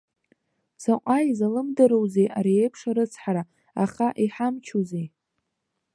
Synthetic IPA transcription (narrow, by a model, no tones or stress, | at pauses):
saqʷʼaizalɨmdɨɾowzejʔaɾiejpʰʂaɾɨt͡sʰħaɾa | aχaʔiħamt͡ʃʰuzej